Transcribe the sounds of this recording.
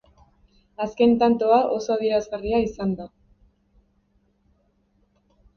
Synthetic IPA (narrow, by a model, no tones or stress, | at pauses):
aske̞nt̪ant̪oaʔo̞so̞að̞ie̞ɾazɣariaisand̪a